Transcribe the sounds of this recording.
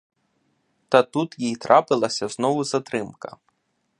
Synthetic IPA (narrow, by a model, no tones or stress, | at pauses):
t̪ɐt̪ut̪jijt̪ɾʔɑpɪlˠɐsʲɐznɔʋʊzɐt̪ɾɪmkɐ̰